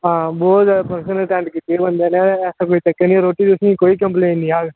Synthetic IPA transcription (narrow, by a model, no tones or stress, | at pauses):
ɦãːbɔːt̪pɐɾsənəlʈɛ̃ːɳʈkit̪iebɐ̃nd̪eneɛːsakoːit̪ɐkːenĩɾoːʈit̪ʊsĩkoːikɐ̃mpleːnnĩaːɡ